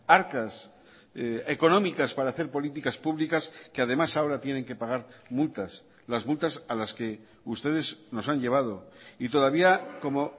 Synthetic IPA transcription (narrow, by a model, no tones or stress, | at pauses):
aɾkas | eko̞nõ̞mikaspaɾaːθe̞ɾpo̞lit̪ikaspuβlikaskeað̞e̞masao̞ɾat̪jene̞ŋke̞paɣaɾmult̪as | lazmult̪asalaske̞ | ust̪e̞ðe̞zno̞saɲʎe̞β̞að̞o̞it̪o̞ð̞aβ̞iako̞mo